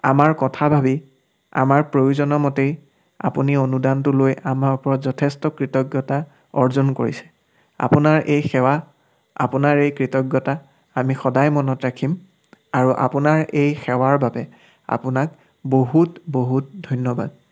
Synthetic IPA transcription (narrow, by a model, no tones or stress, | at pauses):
amaɹkɔtʰabʱabi | a̰maɹpɹojuzɔnɔmɔtej | a̰punionudantʊlojamaupɔɹɔzɔtʰɛstɔkɹitɔɡjɔta | ɔɹzonkoɹisɛ̥ | a̰punaɹʔejxɛwa | a̰pʊnaɹejkɹitɔɡjɔtaː | mixɔdajmɔnɔtɹakʰim | aɹuʔa̰punaɹejxɛwaɹbabɛ | a̰pʊnak | boɦutboɦut̚dʱɔjnjɔba̰d̚